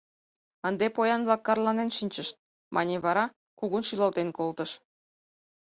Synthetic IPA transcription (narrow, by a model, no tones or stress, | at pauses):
ənd̪epojɑnβlɑkːɑrlɑnenʃinʲt͡ɕəʃt̪̚ | mʔɑnʲeβɑɾɑ | kuɣunʃylɑlt̪enkolt̪əʃ